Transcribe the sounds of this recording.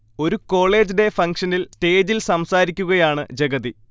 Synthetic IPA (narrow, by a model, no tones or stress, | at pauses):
o̞ɾuko̞ːɭe̞ːd͡ʑide̞fɐŋkʂɐnilste̞ːd͡ʑilsɐmsaːɾikʲːuɣɐjaːɳɨd͡ʑeɡɐði